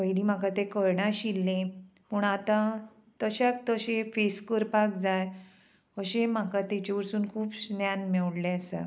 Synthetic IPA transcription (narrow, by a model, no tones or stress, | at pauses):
kəiliːm̤akat̪ekəɾɳaɕilːẽ | məɳat̪ã | t̪əɕak̚t̪əɕẽfeskəɾpak̚d͡zaj | əɕẽm̤akat̪et͡ɕaʋəɾsuːnkʰuːpsnjanmɛʋɽleəsã̰